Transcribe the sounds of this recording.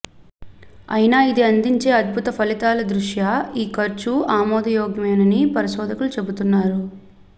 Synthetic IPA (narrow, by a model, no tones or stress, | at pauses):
ɐ̰jnaːid̪iɐnd̪iɲt͡ʃe̞ːɐd̪̚bʱut̪ɐpʰɐlit̪aːlɐd̪ɾuʂjaiːkɐɾt͡ʃuaːmɔːd̪ɐjɔːɡɐmeːnɐnipɐɾiʃɔːd̪ʱɐkulut͡ʃe̞but̪unːaːɾu